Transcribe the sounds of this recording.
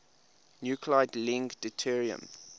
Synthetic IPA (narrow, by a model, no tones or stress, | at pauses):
njukʰlaɪdlɪ̃ŋɡdətʰiɹiə̰̃m